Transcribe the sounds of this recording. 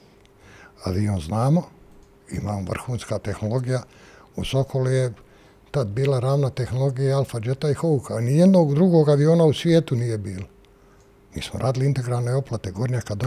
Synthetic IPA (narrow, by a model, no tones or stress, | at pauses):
a̰ʋiːoːnznaːmo | ḭmaːmoʋr̩xuːnskat̪e̞xno̞lˠo̞ɡija | usokʰolije | t̪ad̪biːlaɾaːʋnat̪e̞xnolˠo̞ɡijaalˠfad͡ʒet̪aixoukʰanijed̪no̞ːɡd̪ɾuɡoːɡaʋio̞ːnausʋjeːt̪unije̞biːla | mḭːsmo̰ɾa̰ːd̪iliint̪e̞ɡɾalne̞o̞plat̪e̞ɡo̞ɾɲakad̪